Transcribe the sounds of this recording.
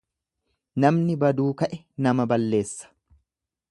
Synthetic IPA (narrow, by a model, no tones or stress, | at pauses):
nɐmnɪbɐd̪uːkɐʔɛ | nɐmɐbɐlːe̞ːsːɐ̥